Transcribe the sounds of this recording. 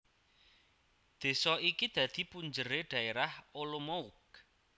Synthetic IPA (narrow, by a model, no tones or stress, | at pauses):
d̪̥e̤sɔikid̪̥ä̤d̪̥i̤puɲd͡ʒəɾeɖ̪̥ä̤eɾaholomouk̚